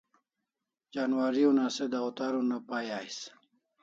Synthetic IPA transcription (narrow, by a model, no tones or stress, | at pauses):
d͡ʑaːnwaɾiunased̪ɐot̪aːɾunapaːjaːjs